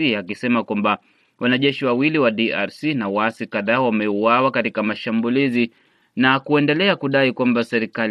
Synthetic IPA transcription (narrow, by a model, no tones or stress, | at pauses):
iakisɛmakwamba | wanaʄɛʃiwawiliwaɗiaɾsinawaasikaðaːwamɛuwawakatikamaʃambulizi | nakuɛndɛlɛakuɗaikwambasɛɾikal